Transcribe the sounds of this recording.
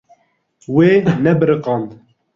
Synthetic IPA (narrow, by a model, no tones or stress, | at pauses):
weːnɛbɨɾɨqɑnd̪